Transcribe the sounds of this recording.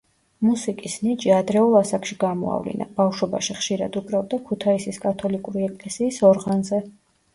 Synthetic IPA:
musikʼisnit͡ʃʼiad̪ɾɛulˠasakʰʼʃiɡamɔ̰a̰vlḭna̰b̥afʃɔba̰ʃiχʃiɾa̰d̪upʼɾɛbd̪akʰut̪ʰaisiskʼat̪ʰɔlikʼuɾiɛkʼlɛsiːsɔɾʁanzɛ

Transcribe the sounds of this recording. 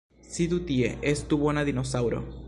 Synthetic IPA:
sid̪ut̪iḛʔest̪uβonaðinosawɾo̰

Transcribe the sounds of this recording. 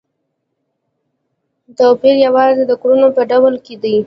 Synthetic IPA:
t̪apiɾjawɑzed̪əkɾunopəɖawəlked̪əj

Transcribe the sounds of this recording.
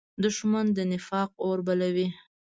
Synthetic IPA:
d̪ʊʃmand̪ənɪfɑq̚oɾbalawi

